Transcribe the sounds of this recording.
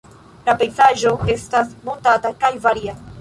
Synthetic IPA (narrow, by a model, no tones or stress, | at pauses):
lapejzaʒo̞e̞stasmontatakajvaɾia